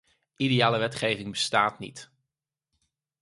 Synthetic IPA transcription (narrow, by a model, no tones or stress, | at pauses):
ʔidijaːləʋɛtχejvɪŋbəstaːtnḭt